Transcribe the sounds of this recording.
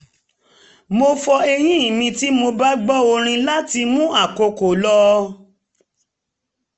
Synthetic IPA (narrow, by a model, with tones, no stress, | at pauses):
mo˧fɔ˧e˧j̃ĩ˦˨mĩ˧ti˦mo˧ba˦ɡ͡bɔ˦o˧ɾ̃ĩ˧la˦ti˧mũ˦a˦˨ko˧ko˨lɔ˦